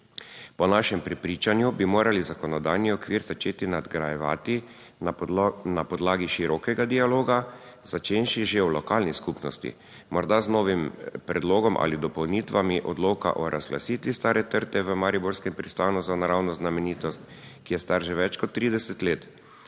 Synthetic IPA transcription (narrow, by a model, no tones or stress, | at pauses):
pɔnaʃɛmpɾɛpɾiːt͡ʃanjubimoːɾalizakɔnɔd̪ajniɔkʋiɾzat͡ʃeːt̪inad̪ɡɾajɛʋa̰ːt̪i | napɔd̪laːɡiʃiɾɔːkɛɡad̪ialoːɡa | z̥at͡ʃeːnʃiʒewlɔkaːlniskupnɔst̪ḭ | mɔɾd̪aznɔːʋimpɾɛd̪loːɡɔmʔa̰lid̪ɔpɔwniːt̪ʋamiʔɔd̪loːka̰ʔɔɾʔa̰zɡla̰siːt̪ʋist̪aːɾɛt̪əɾt̪ɛʋəmaɾibɔɾskɛmpɾist̪aːnuzanaɾawnɔznamɛniːt̪ɔst̪ | kijɛst̪aɾʒɛʋɛt͡ʃkɔt̪ːɾiːd̪ɛsɛt̪leːt̪